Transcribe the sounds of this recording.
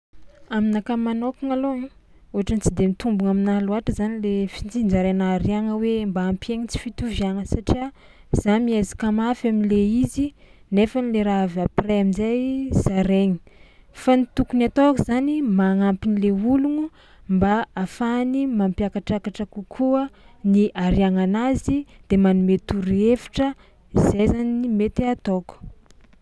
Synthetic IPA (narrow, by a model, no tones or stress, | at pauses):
aminakamanokaŋalooɦaʈ͡ʂant͡sid̪emit̪umbuŋaminaluaʈ͡ʂəzanilefint͡sind͡ʒaɾenaɾiaŋəwembaːmpeŋit͡si̥fit̪uvjaŋəsaʈ͡ʂia | z̥amiazḁkamafamileizinefənileɾaavapreaminzajz̥aɾeɲi̥fanit̪ukunat̪okuzanimaŋampinileuluŋu | mbaafanimampjakaʈ͡ʂakaʈ͡ʂəkukʰuəniʔaɾiaŋanazid̪̥emanumet̪uɾefi̥ʈ͡ʂə | izajzaninimet̪eat̪oku̥